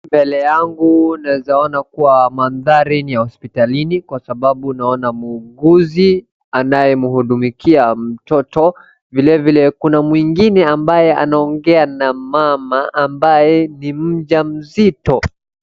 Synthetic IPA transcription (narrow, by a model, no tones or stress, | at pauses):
mbɛlɛjaŋɡunawɛzaɔnakuwamanðaɾinijahɔspitalinikwasaɓaɓunaɔnamuːɡuzi | anajɛmuhuɗumikiam̩tɔtɔ | vilɛvilɛkunamwiŋɡinɛambajɛʔa̰naɔŋɡɛanamamaʔambajɛnim̩ʄam̩zitɔ